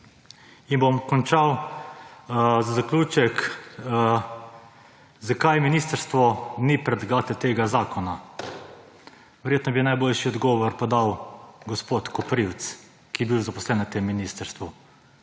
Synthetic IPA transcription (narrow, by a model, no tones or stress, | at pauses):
inbomkɔnt͡ʃaw | zazaklʲuːt͡ʃɛk | zakajminist̪əɾst̪ʋɔnipɾɛd̪ɡaːt̪ɛt̪eːɡazaːkɔna | ʋɛɾjeːt̪nɔbinajboːlʃiɔd̪ɡɔːʋɔɾpɔd̪awɡɔspot̪kɔpɾiw̪s | kijɛbiwzapɔslɛnat̪emːinist̪əɾst̪ʋu